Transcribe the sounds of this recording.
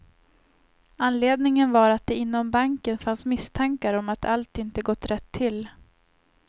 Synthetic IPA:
anleːd̪nɪŋənvaɾat̪̚d̪ɛɪnːɔmbaŋkənfansmɪst̪ʰaŋkaɾɔmat̪ʰalt̪ɪnt̪əɡɔt̪ːɾɛt̪ʰːɪl

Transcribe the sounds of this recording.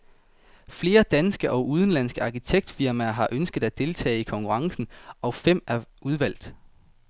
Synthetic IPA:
fle̝ːɐd̥ænsɡ̥əʔɒ̽ʔuð̞ˠən̩læn̰sɡ̥əɑ̈ːkʰit͡sʰeɡ̥̚d̥fiɐmæɐɦɑ̈ʔønsɡ̥ð̞̩ˠæd̥e̝lt͡sʰɛ̰ːikʰɒ̽ŋkʰuʁɑ̈ŋsn̩ʔɒ̽fem̰æuð̞ˠʋæl̰d̥

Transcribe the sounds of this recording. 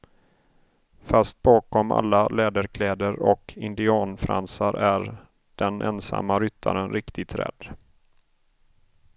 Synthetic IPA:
fast̪̚bɑːkɔma̰lːalɛːd̪əɾkʰlɛːd̪əɾɔkʰɪnd̪ɪɑːnfɾa̰nsaɾæɾ | ɖ̥ɛnʔɛnsa̰mːaɾʏt̪ʰːa̰ɾənɾɪkt̪ɪt̪ʰɾɛ̰d̪̥

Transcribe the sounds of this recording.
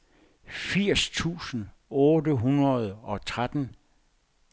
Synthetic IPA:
fiɐ̰st͡sʰṵːsn̩ | ɔːdəɦunɐð̞ˠɒ̽t͡sʰʁad̥n̩

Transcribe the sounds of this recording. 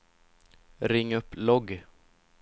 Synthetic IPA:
ɾɪŋːɵpːlɔɡ

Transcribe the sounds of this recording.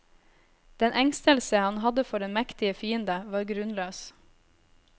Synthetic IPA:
d̪̥ɛnʔɛŋst̪əlsəhɑnhɑd̪əfɔɖɛnmɛkt̪ɪəfiːənd̪əʋɑːɾɡɾʉnløːs

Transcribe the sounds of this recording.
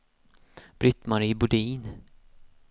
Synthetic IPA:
b̥ɾʏt̪maɾiːbɵɖiːn

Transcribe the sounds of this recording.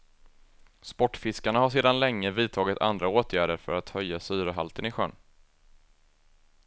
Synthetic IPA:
spɔʈːfɪskaɳahaʂ̬eːd̪anlɛŋːəviːt̪ʰɑːɡɪt̪ʰa̰nd̪ɾaoːt̪ʰjæːɖəɾfœ̰ɾat̪hœjːasyːɾəɦalt̪ənɪɧœ̰n

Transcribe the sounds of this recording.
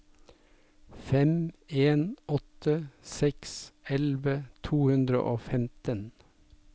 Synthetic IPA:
fɛmeːnʔɔt̪əsɛksɛlʋət̪ʰuːhʉnd̪ɾə̰ʔoːfɛmt̪ən

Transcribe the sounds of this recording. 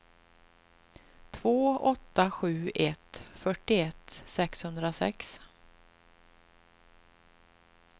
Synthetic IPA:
t̪ʰvoːɔt̪ːaɧʉ̟ːʔɛt̪fœʈːɪɛt̪ːsɛkshɵnd̪ɾasɛ̰ks

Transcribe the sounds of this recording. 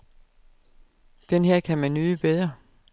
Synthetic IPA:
d̥enɦeɐ̰kʰæmænːyːðˠəb̥eðˠʁɐ

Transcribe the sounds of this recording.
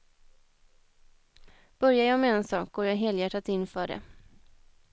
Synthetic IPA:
b̥œɾjajɑmɛɛnsɑːk̚ɡ̥oːɾjaːɦeːljæʈːat̪ɪnːfœːɖɛ̰

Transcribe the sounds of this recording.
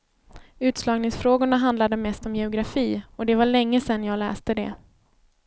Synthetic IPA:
ʉ̟ːt̪slɑːɡnɪŋsfɾoːɡʊɳaɦand̪lad̪əmɛst̪ɔmjɛʊɡɾafiːɔd̪ɛvaɭɛŋːəsɛnːjɑːɡlɛ̰ːst̪əd̪ɛ̰

